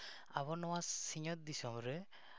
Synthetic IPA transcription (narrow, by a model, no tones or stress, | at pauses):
aβɔnɔwasiɲɔt̪̚d̪isɔmɾɛ